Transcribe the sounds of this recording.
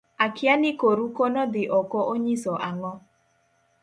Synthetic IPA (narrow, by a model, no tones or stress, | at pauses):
akɪanɪkoɾukonɔd̪ɪʔɔkɔʔoɲisɔʔaŋɔ